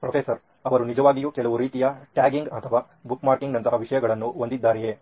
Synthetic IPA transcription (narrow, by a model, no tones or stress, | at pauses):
pɾɐpʰesɐɾ | ɐʋɐɾunid͡ʒɐʋaːɡijukɛlɐʋuɾiːt̪ijɐʈjaːɡiŋɡɐt̪ʰɐʋaː | bukmaːɾkiŋɡnɐnt̪ɐɦɐʋiʃɐjɐɡɐɭɐnːuond̪id̪ːaːɾɛje